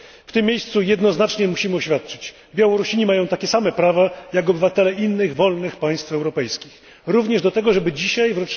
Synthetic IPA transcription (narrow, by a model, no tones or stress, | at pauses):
ft̪ɘmʲːjejst̪sujɛd̪nɔznat͡ʂɲɛmuɕimɘɔɕfʲjat̪̚t͡ʂɘ̥t͡ɕ | bʲjawɔɾuɕiɲimajɔ̃w̃t̪akʲɛsamɛpɾavajakɔbɘvat̪ɛlɛinːɘɣvɔlnɘxpaj̃st̪fɛwɾɔpɛjskʲix | ɾuvɲɛʐd̪ɔt̪ɛɡɔʐɛbɘd͡ʑiɕajvɾɔt͡ʂ